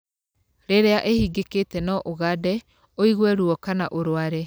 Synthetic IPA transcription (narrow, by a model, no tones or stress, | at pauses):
ɾeɾeaʔehiɡeketɛnɔʔoɣadɛ | oiɣwɛɾuɔkanaʔoɾoaɾɛ